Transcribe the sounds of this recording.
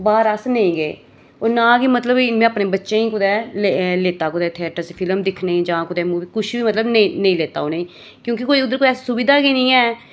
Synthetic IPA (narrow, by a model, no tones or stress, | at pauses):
baːɾəsnəĩːɡeː | oːɾnaːɡiːmət̪ləbimẽːaəːpnẽːbətːʃẽːĩːkʊd̪ɛːleleːt̪aːkʊd̪ɛːt̪ʰɪɛːʈəspʰɪləmd̪ɪkʰneĩːd͡ʒãːkʊd̪ɛːmuːʋiːkʊʃʰbiːmət̪ləbnĩnəĩːleːt̪a̰ːoːneĩː | kjõːkɪkoːiːʊd̪əɾkoːiɛːssʊbɪd̪aːɡiːnĩːɛː